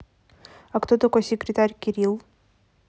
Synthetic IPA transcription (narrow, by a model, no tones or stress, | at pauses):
ɐkt̪ot̪ɐkojsʲɪkɾʲɪt̪aɾʲkʲɪɾʲilˠ